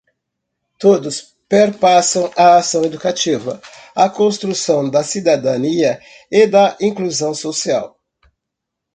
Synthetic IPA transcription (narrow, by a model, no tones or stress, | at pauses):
t̪od̪ʊs | peɾpasɐ̃w̃ɐːsɐ̃w̃ed̪ukat͡ʃivɐ̰ | ɐkõst̪ɾusɐ̃w̃d̪ɐsid̪ad̪ɐ̃niɐ | ɪd̪ɐʔĩkluzɐ̃w̃sosia̰w